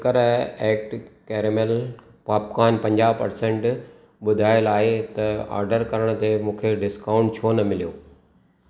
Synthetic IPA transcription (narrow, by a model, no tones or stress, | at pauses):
kəɾeːk̚ʈkeːɾmel | paːpkaːnpɐ̃ɲd͡ʑaːʋpɐ̰ɾsẽɳʈ | ɓʊd̪ʱaːjɪlaːɦet̪ɐa̰ːɾɖəɾkɐɾəɽ̃t̪emũːkʰeɖɪskaːʊ̃ɳʈt͡ɕʰoːnɐmɪlijoː